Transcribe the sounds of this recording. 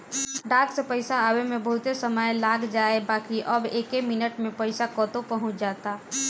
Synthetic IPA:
ɖaːksepəɪsaaːwemẽbəɦʊt̪esəməjlaːɡd͡ʒaːebaːkiʔəbeːkemɪnəʈmẽpəɪsakɔːt̪opəɦʊ̃t͡ʃʰd͡ʒaːt̪aː

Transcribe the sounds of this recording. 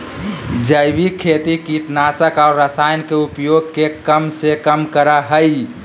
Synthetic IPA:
d͡ʒəjbikʰet̪ikiʈnasəkaʊɾɾəsajnkeupjoɡ̚kekəmsekəmkəɾaɦəj

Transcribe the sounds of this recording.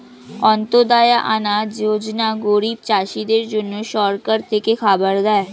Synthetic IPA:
ɔ̃ːnt̪od̪aːjaʔanaːjoːd͡ʒnaɡoːɾiːb̚t͡ʃaːʃid̪eːɾd͡ʒʊnːoʃɔːɾkəɾt̪ekexʰaːbəɾd̪aːɛ

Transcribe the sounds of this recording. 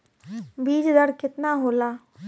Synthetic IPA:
biːd͡ʒd̪əɾkɪt̪naːɦoːlaː

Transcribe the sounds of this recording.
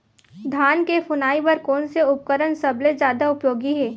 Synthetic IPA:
d̪ʱaːnkefʰʊnaːipɐɾkɔːnseʊp̚kəɾənsɐbled͡ʒjaːd̪aʊpjoːɡiɦɛː

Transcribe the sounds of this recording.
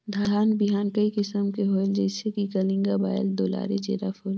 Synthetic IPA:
d̪ʱaaːnbiɦaːnkɐikɪsəmkeɦoːld͡ʒɛːsekikɐlɪ̃ŋɡaba̰ːɪld̪oːla̰ːɾed͡ʒḛːɾafʰʊːl

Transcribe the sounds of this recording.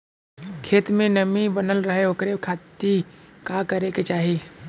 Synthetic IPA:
kʰeːt̪mẽnəmĩbənəlɾəɦeoːkɾekʰaːt̪ikakəɾeket͡ʃaːɦi

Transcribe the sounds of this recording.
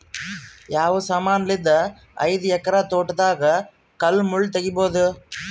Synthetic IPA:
jaːʋɯsɐmaːnɐlɪd̪ɐ | ɐ̰ɪðɯɛkːɐɾaːt̪oːʈːɐðaːɣɐ | kɐlmʊɭt̪ɛɣɪpoːðɯ

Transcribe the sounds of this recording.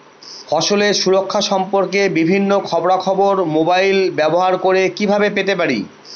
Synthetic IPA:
fɔʃoleɾʃuɾokʰːaʃɔmpoɾkebibʱinːokʰɔboɾakʰɔboɾmobajlbɛboɦaɾkoɾekibʱabepet̪epaɾḭ

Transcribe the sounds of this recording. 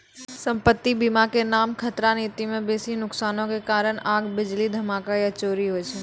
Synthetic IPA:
sɐ̃mpət̪ːibimakenaːmkʰɐt̪ɾaniːt̪imẽbeːsinʊksaːnõkekaːɾəɽ̃aːɡbɪd͡ʒlid̪ʱɐmaːkaiɐt͡ʃoːɾiɦot͡ʃʰeː

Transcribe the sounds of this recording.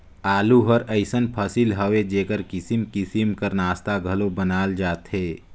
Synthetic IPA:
aːluɦəɾəɪsənpʰəsilɦəʋed͡ʒeːkəɾkɪsimkɪsimkəɾnaːst̪aɡʱəlobənaːld͡ʒaːt̪ɦeː

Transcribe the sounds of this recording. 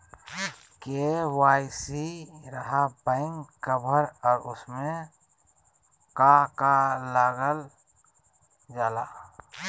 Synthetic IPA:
kewaːisiɾəɦapãɪ̃ŋɡkəbʱəɾɔːɾʊsmẽ | kakalaɡəl | d͡ʒaːlaː

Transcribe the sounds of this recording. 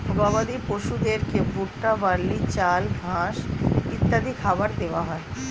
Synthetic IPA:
ɔbʱabad̪ipoʃud̪eɾkebuʈːabalːit͡ɕalɡʱãʃit̪ːad̪ʱikʰabaɾd̪eʋaɦɔe

